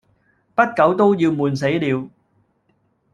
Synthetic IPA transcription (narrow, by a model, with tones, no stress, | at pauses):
pɐ˥t̚kɐ˨˥wt̪o˥wjiː˧wmuː˨˧nse˨˥jliː˨˧w